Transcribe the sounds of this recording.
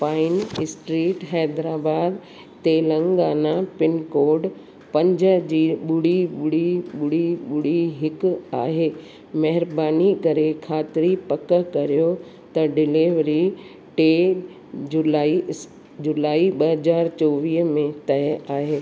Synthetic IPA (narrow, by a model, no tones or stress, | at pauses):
paːɪnɪsʈɾiːʈɦɛːd̪ɾaːbaːd̪ | t̪elə̃ŋɡaːnapɪnkoːɾɖ | pɐ̃ɲd͡ʑəd͡ʑiːɓʊɽiɓʊɽiɓʊɽiɓʊɽiɦɪka̰ːɦeː | mɐɦɪɾbaːnikɐɾekʰaːt̪ɪɾipɐkəkɐɾijo | t̪ɐɖɪliːʋɾi | ʈeː | d͡ʑʊlaːi | d͡ʑʊlaːiɓɐɦɐzaːɾt͡ɕoːʋiːɦmẽt̪ɐɦɛaːɦeː